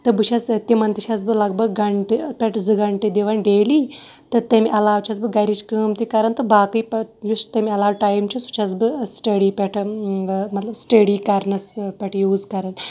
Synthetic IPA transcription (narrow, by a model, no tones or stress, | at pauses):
t̪ɨbɨʃʰɐst̪imɐnt̪iʃʰas̬bɨlɐɡbɐɡɡɐɳʈɨpʲɛʈʰzɨɡɐɳʈed̪eʋɐnɖeːliː | t̪ɨt̪ɐmʲiʔɐlaːwt͡ʃʰɐsbɨɡɐɾit͡ʃʰkəːmt̪ikɐɾɐnt̪ɨbaːkɨjpjust̪ɐmiɐlaːʋʈaːjmt͡ʃʰisu̥t͡ʃʰas̬bɨsʈɐɽipʲeʈʰ | mɐt̪lɐbsʈəɽiːkɐɾnɐspʲɐʈʰjuːzkɐɾɐn